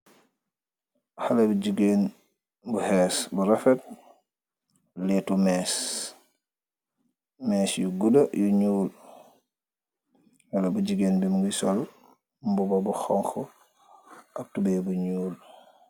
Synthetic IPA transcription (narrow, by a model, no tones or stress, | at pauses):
xalabuɟuɡen | buhɛsbuɾafɛt̚ | liɛtumɛːs | mɛːsjuɡudajuɲuːl | walabud͡ʒiɡeːnbimuŋɡisɔl | mbubɔbuxɔŋxɔ | ʔab̚tubɛbuɲuːl